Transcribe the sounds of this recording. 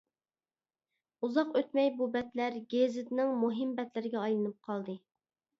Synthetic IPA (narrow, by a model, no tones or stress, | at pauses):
uzɑqøt̪mɛjbubɛt̪læɾɡʲezɪd̪ɪnɪŋmuɦɪmbɛt̪lɪɾɪɡʲɛɑjlˠɨnɨp̚qʰɑlˠd̪ɨ